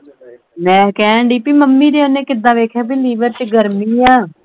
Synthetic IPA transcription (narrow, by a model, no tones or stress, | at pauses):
nɛ̃ːkɛ̃ːɳɖiːpiːməmːiːɾeːonẽːkɪd̪ãːʋeːkʰaːbiːliːʋəɾt͡ʃɡəɾmiːãː